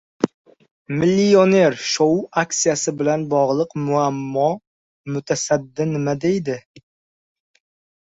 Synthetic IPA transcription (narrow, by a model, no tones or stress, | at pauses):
mɪlːione̞ɾʃoaksijasɪbɪlanbɒʁlˠɨqmʊamːɒ | mʊt̪ʰasad̪ːɪnɪmad̪e̞jd̪ɪ